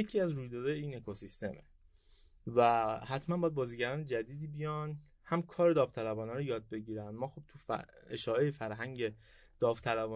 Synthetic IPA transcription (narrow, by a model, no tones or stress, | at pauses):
jecʰiæzɾuːjd̪ɒːd̪ɒːjeiːne̞kʰosist̪e̞̰mḛ | væhæt̪ʰmænbɒːjæd̪bɒːziːɟæɾɒːned͡ʒæd̪iːd̪iːbijɒn | hæmkʰɒːɾe̞d̪ɒːvt̪ʰælæbɒːnɒːɾojɒːd̪̚be̞ɟiːɾænd̪mɒːxob̚t̪ʰufeʃɒːʔejefæɾɦæŋɟe̞ | d̪̥ɒːvt̪ʰælæbɒː